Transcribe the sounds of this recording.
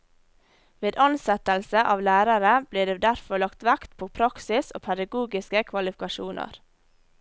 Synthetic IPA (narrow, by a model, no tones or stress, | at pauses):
ʋeːd̪ɑnsɛt̪əlsəʔɑːʋlæːɾəɾəb̥liːɖ̪eːd̪æɾfɔɭɑkt̪ʋækt̪pʰoːpʰɾɑksɪso̰ːpʰɛd̪ɑɡuːɡɪskəkʰʋɑlɪfɪkɑʃuːnə̰ɾ